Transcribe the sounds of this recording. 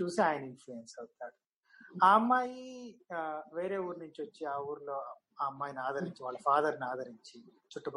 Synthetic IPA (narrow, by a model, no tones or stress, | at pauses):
t͡ʃuːsiaːjɐnɐinfluensɐwt̪aːɽu | aːmːaːji | ʋe̞ːɾe̞ːuːɾnuɲt͡ʃiʋɐt͡ʃːiaːuːɾlo̞ː | aːmːaːjinaːd̪ʱɐɾiɲt͡ʃiʋaːɭːɐfaːd̪ɐɾnaːd̪ʱɐɾiɲt͡ʃi | t͡ʃuʈːup